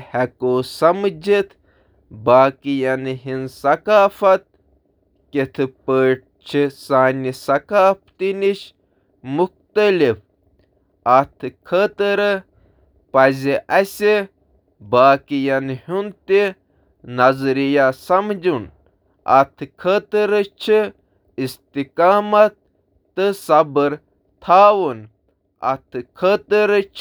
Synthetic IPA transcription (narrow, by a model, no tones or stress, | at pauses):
hɛkoːsɐmd͡ʒit̪ʰ | baːkijɐnɦinsɐkaːfɐt̪̚ | kit̪ʰɨpəːʈ̚t͡ʃʰisaːnisɐkaːft̪iniʃ | mux̚t̪ɐlif | ɐt̪ʰɨkʰət̪ɨɾɨ | pɐzʲiʔɐsʲe | baːkijɐnhunt̪i | nɐzɾijasɐmd͡ʒun | ɐ̰t̪ʰkʰət̪əɾət͡ʃʰi | ist̪ikaːmɐt̪̚ː | ɨsɐbəɾ | t̪ʰaːwun | ɐ̰t̪ʰɨkʰət̪əɾət͡ʃʰ